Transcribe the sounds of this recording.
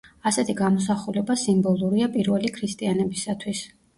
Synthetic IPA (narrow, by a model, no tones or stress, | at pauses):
asɛt̪ʰiɡamɔs̬aχulɛbasimbɔlˠuɾiapʼiɾvɛlikʰɾist̪ʼianɛbisat̪ʰwis